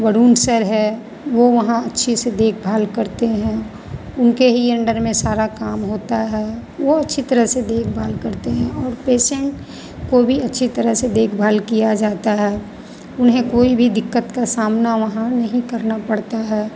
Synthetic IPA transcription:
ʋəɽuːnsəɾɦɛː | ʋoʋɐɦãɐtːʃʰised̪eːkʰbʱaːlkəɾt̪eɦɛ̃ | ʊnkeɦiɐ̃ɳɖəɾmẽsaːɾakaːmɦoːt̪aɦɛːʋoɐtːʃʰit̪əɾəɦsed̪eːkʰbʱaːlkəɾt̪eɦɛ̃ɔːɾpeːʃẽɳʈ | kobʱiɐtːʃʰit̪əɾəɦsed̪eːkʰbʱaːlkijad͡ʒaːt̪aɦɛː | ʊnɦẽkoːibʱid̪ɪkːət̪kasaːmnaʋɐɦãnɐɦĩkɐɾnapɐɽt̪aɦɛː

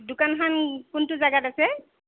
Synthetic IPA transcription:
dʊkankankʊntʊzaɡatasɛ

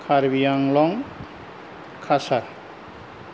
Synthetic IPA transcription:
kʰaɾbijaŋlɔŋ | kʰasaɾ

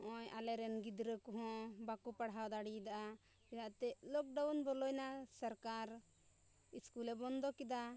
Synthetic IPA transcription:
ʔɔ̃jalɛɾɛnɡid̪ɾəkɔɦɔ̃bakupaɽɦawd̪aɽid̪aʔa | pinaʔt̪ɛʔlɔk̚ɖawnbɔlɔjnasaɾkaɾ | iskulɛbɔnd̪ɔkɛd̪a

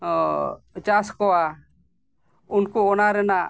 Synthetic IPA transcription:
t͡ʃaskɔwa | unkuɔnaɾɛna

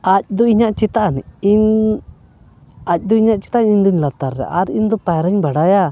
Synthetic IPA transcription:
ac̚d̪ɔiɲaʔt͡ʃit̪aʔnɛ̰in | ac̚ˀd̪ɔiɲaʔt͡ʃi̥t̪aʔɲiɲd̪ɔɲlat̪aɾːɛ̰ʔaɾind̪ɔpajɾaɲbaɽaja

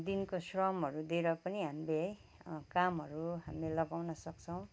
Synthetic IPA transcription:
d̪inkosrʌmɦʌɾud̪eɾʌpʌniɦambej | kamɦʌɾuɦamelʌɡawnʌsʌkt͡sʰʌw̃

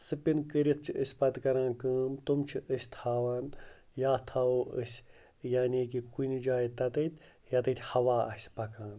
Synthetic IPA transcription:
sɨpinkəɾit̪̚t͡ʃʰiəsʲpɐt̪kɐɾãːnkɨːmt̪umt͡ʃʰiʔəsʲt̪ʰaːʋaːn | jaːt̪ʰaoːʔə̰sʲ | jaːniːkikunid͡ʒaːit̪ɐt̪ɐt̪ʲ | jɐt̪ɨt̪ʲhɐʋaːɐ̰sʲpɐkãːn

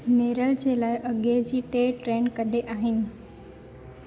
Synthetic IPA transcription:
neːɾəld͡ʑeːlaːɪʔɐɠed͡ʑiːʈeːʈɾeːnkɐɗʱeʔaːɦɪnɪ̆

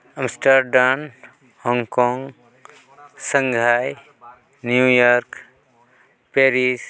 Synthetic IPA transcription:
əmsʈəɾɖan | hɔŋkɔŋɡ | səŋɡʱaj | njujɔɾk | peɾis

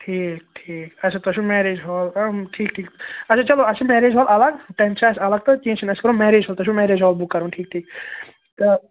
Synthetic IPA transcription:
ʈʰiːk̚ʈʰiːkɐsʰɐt̪ɐʃʰũmɛːɾeːd͡ʒɦoːlɐʈʰiːk̚ʈʰiːkɐsʰɐt͡ʃɐloɐsimɛːɾeːd͡ʒɦoːlʔɐlɐɡʈensɐ̃sɐlɐɡ̚t̪okĩːt͡ʃʰinɐskɐɾũmɛːɾeːd͡ʒɦoːlt̪ɐʃ̬ʰũmɛːɾeːd͡ʒɦoːlbukːɐɾũːnʈʰiːk̚ʈʰiːk̚ | t̪ɐ

